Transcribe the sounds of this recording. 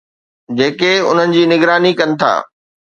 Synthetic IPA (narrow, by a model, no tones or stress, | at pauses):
d͡ʑeːkeʊ̰n̤ənɪ̆d͡ʑiːnɪɡɾaːnikɐnɪ̆t̪ʰa̰ː